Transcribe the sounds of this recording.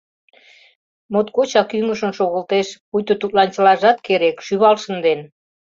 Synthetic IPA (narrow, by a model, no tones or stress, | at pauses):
mot̪kot͡ɕɑkyŋəʃə̆nʃoɣəlt̪eʃpujt̪ot̪ut̪lɑnt͡ɕəlɑʒɑt̪keɾekʃyβɑlʃənd̪en